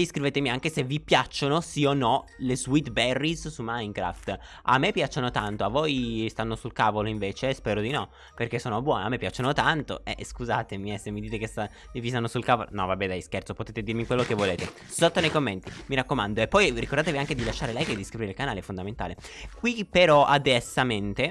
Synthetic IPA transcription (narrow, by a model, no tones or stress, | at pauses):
iskɾiveːt̪emiaŋk̟esevipjat͡ʃːonosionːɔlezwit̪bɛrːissumːaiŋkɾa̰ft̪ | a̰mːepːjat͡ʃːanot̪ant̪oavojst̪anːosulkaːvoloiɱveːt͡ʃespɛːɾod̪inɔ | perk̟esoːnobwɔːnamːepːjat͡ʃːanot̪ant̪o̰ɛ̰skuzaːt̪emiɛsemːid̪iːt̪ekest̪a | livist̪anːosulkaːvolonɔvabːɛd̪ajskɛrt̪sopot̪eːt̪ed̪irmikwelːokevːoleːt̪e | sot̪ːonejkomːent̪imiɾakːomand̪oepːɔjrikoɾrd̪aːt̪eviaŋked̪ilaʃːaːɾelɛjked̪ːiskɾibɾiɾelkanaːleɛfond̪ament̪a̰ːle | kwipeɾɔʔad̪ɛsːament̪e